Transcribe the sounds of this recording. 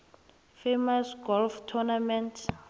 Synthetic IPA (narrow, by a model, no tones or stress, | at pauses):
femasɡɔlftʰɔnamɛntʰ